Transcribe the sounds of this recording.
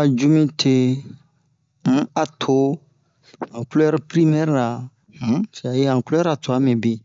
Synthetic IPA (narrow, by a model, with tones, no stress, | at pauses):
a˨d͡ʒu˦mĩ˦tʰe˦˨˦ | a˨tʰo˨ | ã˨klɛ˦ɾpɾi˦mɛ˦ɾa˨˦ | sa˨je˦ã˨klɛ˦ɾa˨to˨a˦mɛ̃˨bi˨